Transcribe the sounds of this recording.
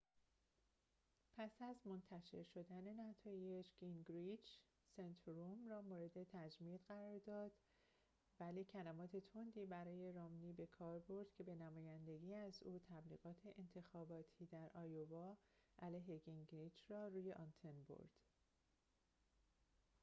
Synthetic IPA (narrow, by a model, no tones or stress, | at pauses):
pʰæsæzmo̞nt̪ʰæʃe̞ɾʃo̞d̪æne̞næt̪ʰɒːjed͡ʒɡ̥iŋɡɾid͡ʒ | sent̪ʰɾumrɒːmoːɾe̞d̪e̞t̪ʰæd͡ʒmid̪ɣæɾɒːɾd̪ɒːd̪̥ | væliːcʰælæmɒːt̪ʰe̞t̪ʰond̪iːbæɾɒːje̞ɾɒːmniːbe̞kʰɒːɾbo̞ɾd̪̥kcʰe̞be̞næmɒːjænd̪e̞ɡiːæzuːt̪ʰæbliːɣɒːt̪ʰe̞ʔent̪ʰe̞xɒːbɒːt̪ʰiːd̪æɾʔɒːjovɒːʔælæjɦe̞ɡiŋɡɾid͡ʒrɒːruːje̞ʔɒnt̪ʰe̞nbo̰ɾd̪̥